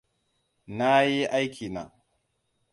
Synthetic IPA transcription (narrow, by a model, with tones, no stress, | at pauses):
na˦ji˦ʔa˦jkʲʰi˨na̰˨